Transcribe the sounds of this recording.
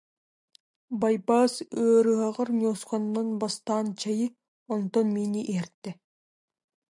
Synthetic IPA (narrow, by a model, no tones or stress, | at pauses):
bajbaːsøːɾɯɦaʁɯɾnoːsqɔnːɔnbast̪aːnt͡ɕajɯ | ɔnt̪ɔnminiʔiɦɛɾt̪ːɛ